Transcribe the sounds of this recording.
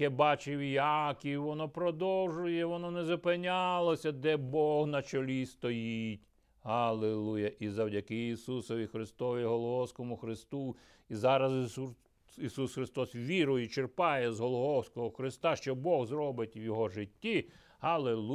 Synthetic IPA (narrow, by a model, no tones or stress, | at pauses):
ɛbɑt͡ʃɪʋijɑkʲiʋɔnɔpɾɔd̪ɔwʒʊjɛʋɔnɔnɛzɐpenʲalˠɔsʲɐd̪ɛbɔɦnɐt͡ʃɔlʲist̪ɔjitʲ | ɦɐlˠelˠujɐʔizɐwdʲɐkɪisusɔʋʲixɾɪst̪ɔʋʲiɦɔlˠɔɦɔwsʲkɔmʊxɾɪst̪u | izɑɾɐzu | isusxɾɪst̪ɔsʋʲiɾɔjit͡ʃerpɑjɛzɦɔlˠɔɦɔwsʲkɔɦɔxɾɪst̪ɑʃt͡ʃɔbɔɣzɾɔbɪtʲʋjɔɦɔʒɪtʲːi | ɦɐlˠelˠu